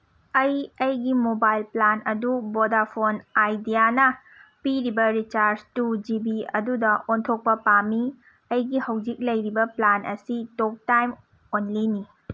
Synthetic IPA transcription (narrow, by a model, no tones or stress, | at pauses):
ɐjɐjɡimobajlplanɐdubodapʰonajdijanɐ | piɾibɐɾit͡ʃaɾd͡ʒtud͡ʒibiɐ̰dudɐontʰok̚pɐpami | ɐjɡihɐwd͡ʒik̚lɐjɾibɐplanʔɐ̰sitok̚tajm | onlini